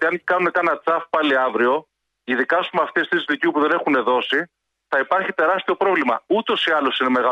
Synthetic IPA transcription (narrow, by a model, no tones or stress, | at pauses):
t̪iɐncikɐnune̞kɐnɐt͡sɐfpɐliɐvɾio̞ | iðikɐsumeɐft̪est̪ɾiszlicipuðe̞ne̞xune̞ðo̞si | θɐipɐɾçit̪e̞ɾɐst̪io̞pɾo̞vlimɐut̪o̞siɐlo̞sine̞me̞ɣɐ